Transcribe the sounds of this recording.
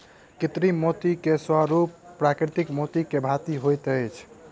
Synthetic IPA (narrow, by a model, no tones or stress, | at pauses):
kit̪ɾimot̪ikesaɾupːɾakɾit̪ikmot̪ikebʱat̪iɦojt̪ət͡ʃʰ